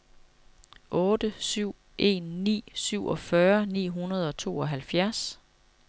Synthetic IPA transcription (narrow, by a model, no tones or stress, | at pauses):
ʔɔ̽ːd̥əsyʊ̰ | ʔe̝̰ːnːḭːsyʊ̰ʔɒ̽fɶɐnḭːɦunɐð̞̩ˠɒ̽t͡sʰo̝̰ːɒ̽ɦælfjæɐs